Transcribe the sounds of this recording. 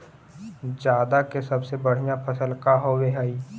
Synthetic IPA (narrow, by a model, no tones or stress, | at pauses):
d͡ʒjaːd̪akesɐbsebəɽ̤ijapʰəsəlkaɦoweɦaːiː